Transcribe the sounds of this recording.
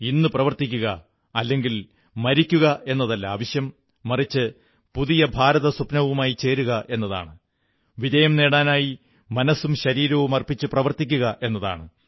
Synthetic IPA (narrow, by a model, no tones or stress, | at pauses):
inːɨprɐʋɐrt̪ik̬ʲːuɣɐ | ɐlːe̞ŋɡil | mɐɾikʲːuɣɐe̞nːɐðɐlːɐaːʋɐɕjɐmː | ɐrit͡ɕːɨ | puðijɐbʱaːɾɐðɐsupnɐʋumaːjit͡ɕe̞ːɾuɣɐʔe̞nːɐða̰ːɳɨ | ʋiðɐjɐmne̞ːɽaːnaːji | mɐnɐsːumɕɐɾiːɾɐʋumɐrpit͡ɕːɨprɐʋɐrt̪ik̬ʲːuɣɐʔe̞nːɐða̰ːɳɨ